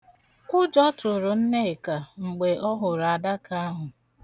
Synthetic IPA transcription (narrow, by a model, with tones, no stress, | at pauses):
ʊ˦d͡ʒɔ˦tʊ˨ɾʊ˨n̩˦ne˦˨ka˨ŋ͡m̩˨ɡ͡be˨ʔɔ˦ɦʊ˨ɾa˨da˦ka˦a˦ɦʊ˨